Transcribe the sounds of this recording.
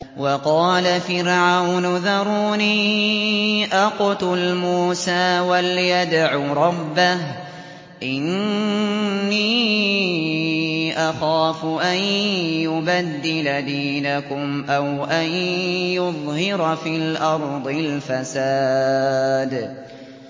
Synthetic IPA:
wɑqɑːlafɪɾʕawnʊðɑɾˤuːniː | ʔaqʊt̪ʊlmuːsaːwaljad̪ʕuːɾˤɑbːah | ʔɪn | iː | ʔaxaːfʊʔanjʊbad̪ːɪlad̪iːnakʊmʔawʔanjʊðˤhɪɾfiːlʔɑɾˤd̪ˤɨlfasaː | d̪

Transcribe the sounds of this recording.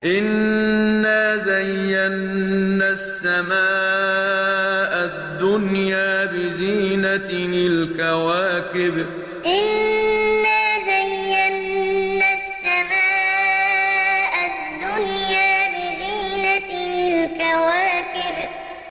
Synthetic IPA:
ʔɪnː | azajːanːasːamaː | ʔad̪ːʊnjaːbɪziːnanɪlkawaːkɪb | ʔɪnː | aːzajːanːasːamaː | ʔad̪ːʊnjaːbɪziːnanɪlkawaːkɪb

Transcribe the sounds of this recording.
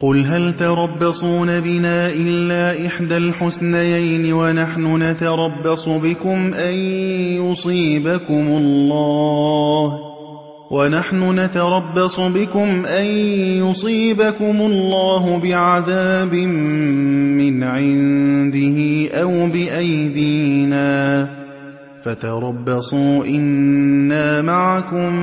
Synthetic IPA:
qʊlɦalt̪ɑɾˤɑbːɑsˤuːnabɪnaːʔɪlːaːʔɪħd̪alħʊsnajajnɪwanaħnʊnat̪ɑɾˤɑbːɑsˤʊbɪkʊmʔanjʊsˤiːbakʊmʊlːɑːh | wʔanaħnʊnat̪ɑɾˤɑbːɑsˤʊbɪkʊmʔanjʊsˤiːbakʊmʊlˤːɑːɦʊbɪʕaðaːbɪmː | ɪnʕɪnd̪ɪhɪʔawbɪʔajd̪iːnaː | fat̪ɑɾˤɑbːɑsˤuːʔɪnːaːmaʕakʊm

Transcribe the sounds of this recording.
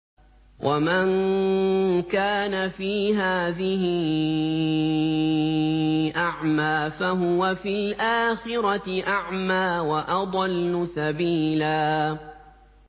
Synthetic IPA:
wʔaman | kaːnafiːɦaːðɪɦɪ | ʔaʕmaːfaɦʊwafilʔaːxɪɾɑʔaʕmaːwaʔɑd̪ˤɑlːʊsabiːlaː

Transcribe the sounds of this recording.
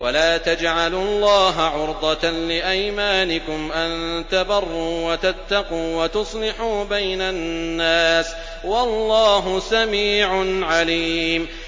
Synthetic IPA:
wʔa̰laːt̪ad͡ʒʕalʊlˤːɑːɦaʕʊɾd̪ˤɑt̪anlɪʔajmaːnɪkʊmʔant̪abɑrˤːuːwat̪at̪ːɑquːwat̪ʊsˤlɪħuːbajnanːaːs | wɑlːɑːɦʊsamiːʕʊnʕaliːm

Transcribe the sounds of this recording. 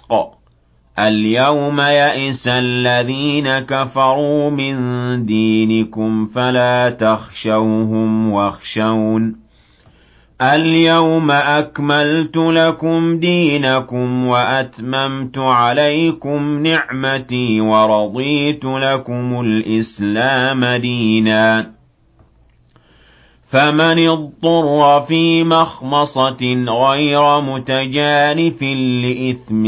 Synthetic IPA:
ʔaljawmajaʔɪsalːaðiːnakafɑɾˤuːmɪnd̪iːnɪkʊmfalaːt̪axʃawɦʊmwaxʃawn | ʔaljawmaʔakmalt̪ʊlakʊmd̪iːnakʊmwaʔat̪mamt̪ʊʕalajkʊmnɪʕmat̪iːwɑɾˤɑd̪ˤiːt̪ʊlakʊmʊlʔɪslaːmad̪iːnaː | famanɪðˤːʊɾːfiːmɑxmɑsˤɑɣajɾamʊt̪ad͡ʒaːnɪfɪnlɪʔɪθm

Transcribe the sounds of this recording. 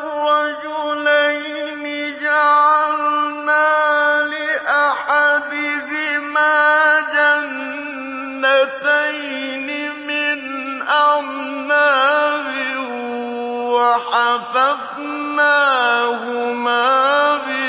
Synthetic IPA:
ɑd͡ʒʊlaj | nɪd͡ʒaʕalnaːlɪʔaħad̪ɪhɪmaːd͡ʒanː | at̪aj | nɪ | mɪn | ʔa | naːbɪh | waħafaf | naːhʊmaːbɪ

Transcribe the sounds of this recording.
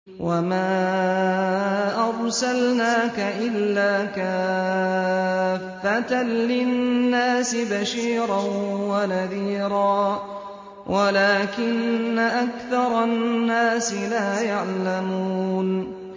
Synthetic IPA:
wʔamaː | ʔɑɾˤsalnaːkaʔɪlːaːka | fːat̪anlɪnnːaːsɪbaʃiːɾɑnwanaðiːɾɑː | wʔalaːkɪnːaʔakθɑɾˤɑnːaːsɪlaːjaʕlamuːn

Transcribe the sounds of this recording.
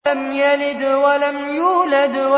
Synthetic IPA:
amjalɪd̪walamjuːlad̪wa

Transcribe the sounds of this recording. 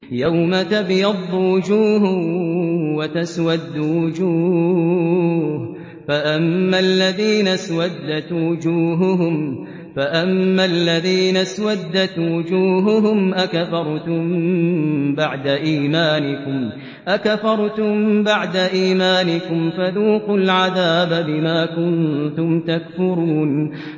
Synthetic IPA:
jawmat̪abjɑd̪ˤːuwʊd͡ʒuːɦʊ | wat̪aswad̪ːʊwʊd͡ʒuː | h | faʔamːalːaðiːnaswad̪ːat̪wʊd͡ʒuːɦʊɦʊm | faʔamːalːaðiːnaswad̪ːat̪wʊd͡ʒuːɦʊɦʊmʔakafɑɾˤt̪ʊm | baʕd̪aʔiːmaːnɪkʊm | ʔakafɑɾˤt̪ʊmbaʕd̪aʔiːmaːnɪkʊmfaðuːqʊlʕaðaːbabɪmaːkʊnt̪ʊmt̪akfʊɾuːn

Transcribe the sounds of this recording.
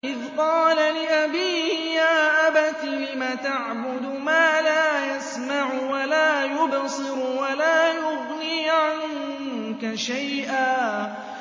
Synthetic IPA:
ʔɪðqɑːlalɪʔabiːhjaːʔabat̪ibɪmat̪aʕbʊd̪ | maːlaːjasmaʕʊwalaːjʊbsˤɨɾwalaːjʊɣniːʕan | kaʃajʔaː

